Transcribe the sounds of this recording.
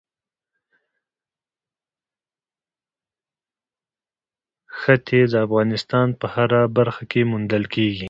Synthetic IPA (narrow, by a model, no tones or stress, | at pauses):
xət̪ʰed̪əafɣɑnɪst̪ɑnpəhaɾabaɾxakemʊnd̪əlkeɡi